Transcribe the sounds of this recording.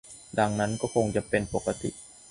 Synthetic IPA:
da˧ŋna˦˥nkɔː˥˩kʰo˧ŋt͡ɕa˨˩pe˧npo˨˩kːa˧t̪ḭ˨ʔ

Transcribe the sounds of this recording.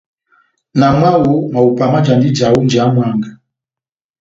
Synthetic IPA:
na˨ma˦wu˦ma˨u˨pa˨ma˦d͡ʒa˨ndi˦d͡ʒa˨wu˦nd͡ʒa˨˦mwa˦˨ŋɡa˨

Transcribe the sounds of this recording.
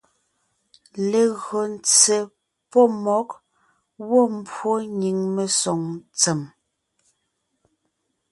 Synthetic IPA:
le˨ɣɰɔ˨n̩˦t͡se˨ | pɔ˦˨mɔ˨˦k̚ | wɔ˦˨m̩˦bwo˦ɲi˨ŋme˨sɔ˨ŋt͡se˨m

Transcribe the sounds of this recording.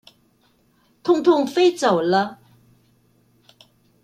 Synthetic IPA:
t̪ʰʊ˥˧ŋt̪ʰʊ˥˧ŋfe˥ɪt͡so˨˩ʊlə˦

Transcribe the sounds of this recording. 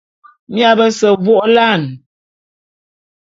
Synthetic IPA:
mi˦a˦˨bə˦sə˨vo˦ʔla˦˨n

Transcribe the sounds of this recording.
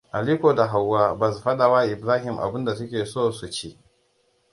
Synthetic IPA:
ʔa˨liː˦koː˨da˨ɦa˨wːaː˦ba˨s̬ɸɐ˦ɗa˨wa˦ʔɪ˨bɾaː˦ɦɪ˨mʔa̰˨bɪ˦nda˨sʊ˦kʲeː˨soː˦˨su˨t͡ʃi˦ʔ

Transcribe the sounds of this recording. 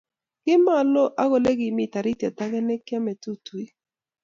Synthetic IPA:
ɡ̥ɪ˦ma˦˨lo˦ʔa˦ɣo˨le˦ɡɪ˨mi˦˨ta˨ɾi˦ta˨ta˦ɡɛ˦nɛ˦kja˦mɛ˨tu˦tu˨i˦

